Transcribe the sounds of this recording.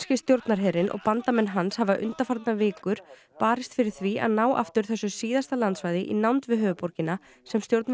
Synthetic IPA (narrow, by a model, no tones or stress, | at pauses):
scɪst̪jowɾt̪naɾ̥ɦɛɾɪnʔɔ̰ɣpant̪amɛnːɦanshavaʔʏ̰nt̪afaɾt̪navɪːkʏɾ̥ | paːɾɪst̪fɪɾɪɾ̥θvia̰ðnaːwʔa̰ft̪ʏɾ̥θɛsːʏsiːðast̪alant̪svaːjðɪʔinawnt̪vɪðɦœːvʏpɔɾcɪna | sɛmst̪jowɾt̪n